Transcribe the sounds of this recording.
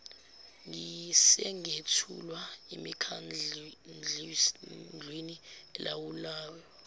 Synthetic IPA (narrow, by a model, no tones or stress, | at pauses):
ŋisɛŋetʰṵlwaemikʰannd͡ɮʱ | nd͡ɮʱweniɛlʔawulaːwɛ